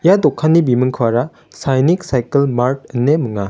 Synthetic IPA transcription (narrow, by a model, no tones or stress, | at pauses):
jadɔkʰːanːibimɯŋkʰɯwaɾa | sajniksajkəlmaɾt̚ɯnːemɯŋa